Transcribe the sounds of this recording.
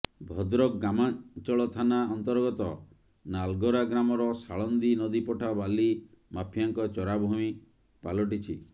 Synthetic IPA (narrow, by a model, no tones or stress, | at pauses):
bʱɔd̪ɾɔkɡamat͡ʃɔɭɔt̪ʰanaɔnt̪ɔɾɡɔt̪ɔ | nalɡɔɾaɡɾamɔɾɔsaɭɔnd̪inɔd̪ipɔʈʰabali | mapʰijaŋkɔt͡ʃɔɾabʱumi | palɔʈit͡ʃʰi